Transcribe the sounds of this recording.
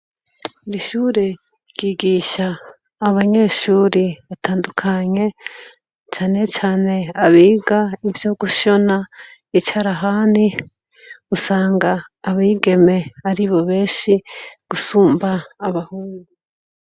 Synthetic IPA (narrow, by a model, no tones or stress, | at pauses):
uɾiʃuːɾe | ɟiːɡiːʃaː | βaɲe̞ːʃuːɾiβataːndukʰaɲe̞ | t͡ʃaːne̞t͡ʃaːne̞aβiːɡaivjo̞ːɡuʃo̞na | it͡ʃaɾaɦaːni | usaːŋɡaːβiːɡe̞me̞aɾiβo̞βe̞ːʃiɡ̥usuːmbaːβahuːŋu